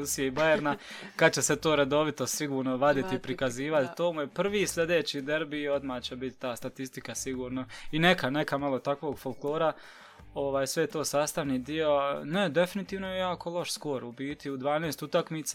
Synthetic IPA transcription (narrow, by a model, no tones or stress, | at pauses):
usijeibajeɾnakad̪t͡ɕe̞set̪o̞ːɾed̪o̞ʋit̪o̞siɡuːɾnoʋad̪it̪iipɾikaziːʋat̪t̪oːmuje̞pr̩ʋiːsʎʲe̞d̪eːt͡ɕiːd̪eɾbio̞d̪maːt͡ɕebit̪t̪aːst̪at̪ist̪ikasiɡuːɾnoine̞kanekamalˠo̞t̪akʋo̞ːɡfolˠklˠo̞ːɾa | o̞ʋaːjsʋejet̪o̞ːsaːst̪aʋniːd̪io̞ne̞d̪e̞finit̪iːʋnojejaːko̞lˠoʃsko̞ɾubiːt̪iud̪ʋaːneːst̪ut̪akmiːt̪sa